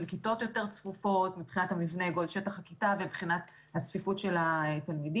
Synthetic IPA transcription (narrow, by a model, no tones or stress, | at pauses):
lkito̞t̪jo̞te̞ʁt͡sfufo̞tmipχinathamivneɡolʃetaχakitavebχinat | hat͡sfifutʃe̞laetalmidi